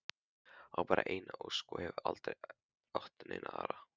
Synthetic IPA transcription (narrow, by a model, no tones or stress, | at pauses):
awpaːɾaʔejnaʔowskɔhɛvʏɾʔalt̪ɾej | ɔht̪ʏnḛːjnʔaaːɾa